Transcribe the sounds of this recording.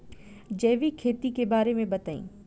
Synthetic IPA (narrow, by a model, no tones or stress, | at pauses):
d͡ʒɛːʋikʰeːt̪ikebaːɾemẽbɐt̪aːḭ̃ː